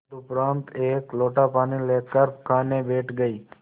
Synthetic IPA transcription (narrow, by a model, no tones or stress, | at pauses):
t̪ʊpɾaːnt̪eːkloːʈaːpaːnileːkəɾpkʰaːnebeːʈʰɡəiː